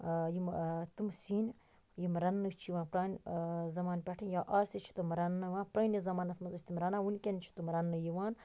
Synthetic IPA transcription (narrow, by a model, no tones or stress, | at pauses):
jimt̪umsiːn | jimɾɐnːɨt͡ʃʰiʋãːnpɾaːnʲzɐmaːnpʲɐʈʰɨnjaʔaːst̪it͡ʃʰi̥t̪umɾɐnːɨʋãːnpɾɐːnizɐmaːnɐsmɐzɐt͡ʃʰʲt̪imɾɐnaːunʲkʲent͡ʃʰi̥t̪umɾɐnːɨjiʋaːn